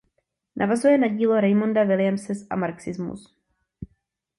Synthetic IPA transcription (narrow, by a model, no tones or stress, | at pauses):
nʔa̰vazujɛnaɟiːloɾɛjmondavɪljamsɛsʔa̰maɾksɪzmṵs